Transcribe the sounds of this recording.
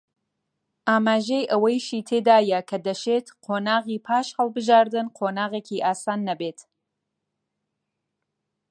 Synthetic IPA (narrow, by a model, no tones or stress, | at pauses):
ʔaːmaːʒejʔɐwɐjʃiːt̪ʰeːd̪aːjɐkʰɐd̪ɐʃeːt̪qʰoːnaːɣiːpʰaːʃhɐlˠbɨʒaːɾd̪ɨnqʰoːnaːɣeːkiːʔaːsaːnːɐbeːt̪